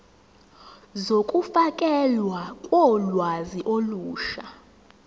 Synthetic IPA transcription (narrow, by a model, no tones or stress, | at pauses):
zokʼufakʼɛlwakʼwɔlwaziʔoluːʃa